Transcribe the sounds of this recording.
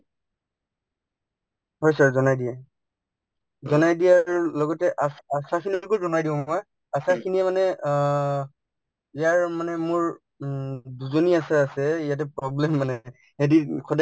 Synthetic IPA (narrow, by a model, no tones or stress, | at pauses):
ɦɔjsaɹzɔnajdijɛ | zɔnajdijaɹlɔɡɔtɛʔasasakʰinilɡozɔnajdiʊ̃ɔj | asakʰiniɛmanɛ | ijaɹmanɛmʊɹ | duzoniasaːsɛijat̬ɛpɹɔblɛmːanɛ | edikʰɔda